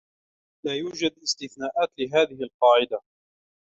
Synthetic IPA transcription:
laːjuːd͡ʒad̪ɪst̪ɪθnaːʔaːt̪lɪɦaːðɪhɪlqɑːʕɪd̪a

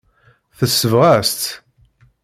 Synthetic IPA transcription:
θəsːəvʁæst̪

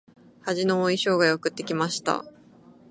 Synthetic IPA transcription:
haʑino̞ːiɕo̞ːɡajo̞kɯ̟t̪ːe̞kʲimaɕi̥t̪a̰

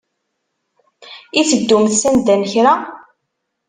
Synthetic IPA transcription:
it͡sːəd̪ːumθsænd̪ænçɾa

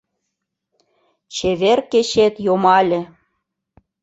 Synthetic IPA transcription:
t͡ɕeβerket͡ɕet̪jomɑlʲĕ

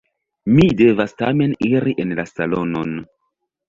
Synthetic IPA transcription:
mide̞vastame̞niɾiʔe̞nlasalo̞no̞n

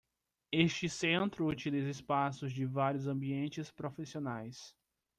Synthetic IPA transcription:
est͡ʃɪsẽnt̪ɾʊut͡ʃilizɪspasʊzd͡ʒɪvaɾjʊzɐ̃mbiẽnt͡ʃɪspɾofisionajs

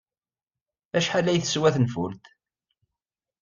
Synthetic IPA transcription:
æʃħalːæjθə̥swæθnfʊ̰lt̪

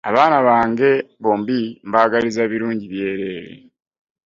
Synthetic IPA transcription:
a̰βaːnaβaːŋɡe̞βo̞ːmbimbaːɡalizeːβiɾuːɲɟiβje̞ːɾe̞ːɾḛ

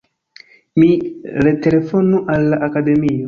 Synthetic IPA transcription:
miɾe̞te̞le̞fonuʔalːaʔakade̞mio

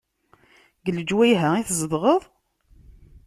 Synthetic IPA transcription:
ɡləd͡ʒwæjɦəiθzˤəðʁəðˤ

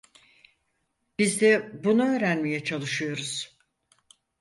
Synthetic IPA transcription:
b̥izd̪ɛbunuø̞ːɾænmejɛt͡ʃʰalˠɯʃɯjo̞ɾuz̥

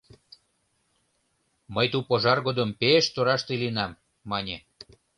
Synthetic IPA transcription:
məjt̪upoʒɑrɣod̪ompeʃt̪oɾɑʃt̪elinɑmː | ɑnʲe

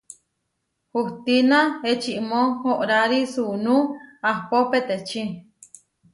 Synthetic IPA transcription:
huht̪inãet͡ʃiʔmohoʔɾaɾisunũahpopet̪et͡ʃi

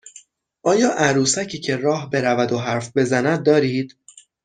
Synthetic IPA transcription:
ʔɒːjɒːʔæɾuːsæcʰiːcʰe̞rɒːhbe̞ɾævæd̪oɦæɾfbe̞zænæd̪̚ːɒːɾiːd̪̥

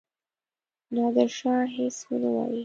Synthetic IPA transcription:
nɑd̪əɾʃɑɦeswənawɑ̰ji

